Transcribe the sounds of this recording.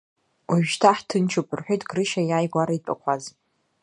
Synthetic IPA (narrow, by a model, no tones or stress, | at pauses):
waʒᶣtʰaħtʰɨnt͡ʃʰopʼɨrħʷᶣejtʰʼɡrɨʃajaːjɡʷaɾaitʼa̰kʷʰaz